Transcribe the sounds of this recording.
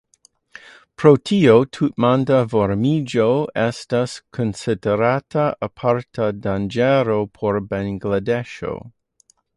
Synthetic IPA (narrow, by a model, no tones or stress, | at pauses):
pɾotʰiotʰut̚mandavoɾmid͡ʒoɛstaskʰonsideɾatʰaapʰaɾtʰadand͡ʒɛɾopʰoɾbaŋɡladeʃo̰